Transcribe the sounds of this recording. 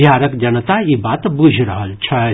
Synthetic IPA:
jaɾəkd͡ʒənət̪aibat̪bud͡ʒʱɾəɦəlt͡ʃʰə

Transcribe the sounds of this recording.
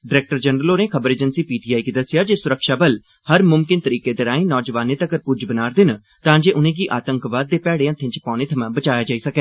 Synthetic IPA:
ɖɪɾɛːk̚ʈəɾd͡ʒənɾəloːnẽːkʰəbəɾeːd͡ʒənsiːpiːʈiːaːikid̪əsːɪjaːd͡ʒeːsʊɾəkʃaːbəl | həɾmʊmkɪnt̪əɾiːkeːd̪eːɾãːĩːnɔːd͡ʒʋaːnːeːt̪əɡəɾpʊd͡ʒbənaːɾd̪ɪn | t̪ãːd͡ʒeːʔʊnẽːɡiːʔaːt̪ə̃ŋkʋaːd̪ːeːpɛːɽeːãːt̪ʰːẽːt͡ʃəpãːneːt̪ʰəmãːbət͡ʃaːjaːd͡ʒaːiːsəkɛː

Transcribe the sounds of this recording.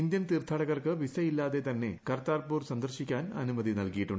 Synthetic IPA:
ind̪jɐnt̪iːrt̪ʰːaːɽɐɣɐrkɨʋisɐjilːaːðe̞t̪ɐnːe̞kɐrt̪aːrpuːrsɐnd̪ɐrɕikʲːaːnɐ̰numɐðinɐlkijiʈːuɳɖ

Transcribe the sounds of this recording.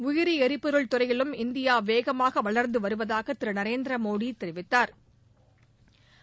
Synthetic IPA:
ʊjɪɾiɛɾɪpːɯɾɯɭt̪ʊɾɐjɪɭɯmɪnd̪ɪjaːʋeːɣɐmaːɣɐʋɐɭɐɾnd̪ɯʋɐɾɯʋɐðaːɣɐt̪ːɪɾɯnɐɾeːnd̪ɾɐmoːɽit̪ːɛɾɯʋɪt̪ːaːɾ

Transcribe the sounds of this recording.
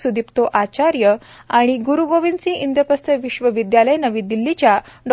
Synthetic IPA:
sud̪ʱipt̪oʔat͡ɕaɾjə | aɽ̃iɡuɾuɡoʋint͡sĩʔind̪jəpəst̪əʋiɕʋəʋid̪jaləjnəʋiːd̪ilːit͡ɕjaɖ

